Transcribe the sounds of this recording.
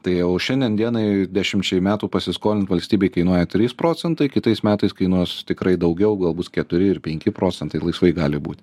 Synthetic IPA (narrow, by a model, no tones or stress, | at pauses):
t̪ɐɪoːʃʲɛnʲd̪ʲiɛnd̪ʲiɛnɐɪdʲæːʃʲɪmʲt͡ʃʲɛɪmʲæːt̪uːpɐsʲɪskoːlʲɪnt̪ʋɐlʲsʲt̪ʲiːbʲeɪkɐɪnuɔjɛt̪ʲɾʲiːspɾoːt͡sʲɛnt̪ɐɪkʲɪt̪ɐɪsmʲæːt̪ɐɪskɐɪnuɔst̪ʲɪkɾɐɪd̪ɐʊɡʲɛʊɡɐlˠbʊskʲɛt̪ʊɾʲɪɪrpʲɛŋʲkʲɪpɾoːt͡sʲɛnt̪ɐɪlˠɐɪsʋɐɪɡɑːlʲɪbuːt̪ʲ